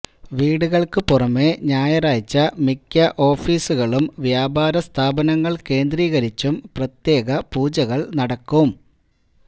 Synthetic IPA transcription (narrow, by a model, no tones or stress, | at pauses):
ʋiːɽuɣɐɭkɨpurɐmːe̞ɲaːjɐraːjt͡ɕːɐmikʲːɐʔo̞ːfiːsuɣɐɭumʋjaːbaːɾɐst̪ʰaːbɐnɐŋːɐɭke̞ːnd̪riːɣɐɾit͡ɕːumprɐt̪je̞ːɣɐpuːd͡ʑɐɣɐɭnɐɽɐkːum